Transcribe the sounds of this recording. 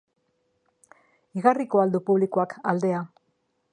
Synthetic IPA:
iɣariko̞ald̪upuβlikoakald̪e̞a

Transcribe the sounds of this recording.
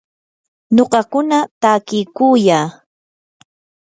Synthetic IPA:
ɲoɢɑkʊnat̪akɪjkujaː

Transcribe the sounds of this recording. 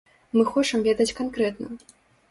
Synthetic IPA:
mɨxɔt͡ʂɨmvʲed̪ɐt͡sʲkankɾɛt̪nɨ̰m

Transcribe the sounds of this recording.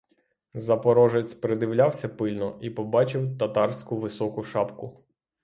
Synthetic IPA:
zɐpɔɾɔʒet͡sʲpɾed̪ɪwlʲawsʲɐpɪlʲnɔʔipɔbɑt͡ʃɪwt̪ɐt̪ɑrsʲkʊʋɪsɔkʊʃɑpkʊ

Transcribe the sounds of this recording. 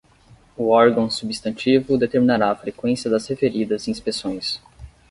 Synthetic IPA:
uɔɾɡɐ̃w̃subist̪ɐ̃t͡ʃivʊd̪et̪eɾminaɾaːfɾekwẽsiɐd̪ɐshefeɾid̪ɐzĩspesõj̃s

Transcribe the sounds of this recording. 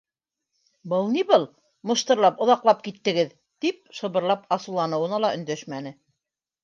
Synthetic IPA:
bɤlˠniβɤlˠ | mŏʃt̪ɤ̆ɾlˠɑpŏðɑqlˠɑp̚kit̪ːɘ̆ɡɘð | t̪ip̚sɤ̆βɤ̆ɾlˠɑpɑsulˠɑnɤ̆wɤ̆nɑlˠɑɵ̆nd̪æʃmænɘ

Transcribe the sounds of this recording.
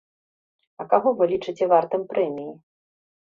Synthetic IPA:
ɐkaɣɔvɨlʲit͡ʂɨt͡sʲɛvart̪ɨmpɾɛmʲiji

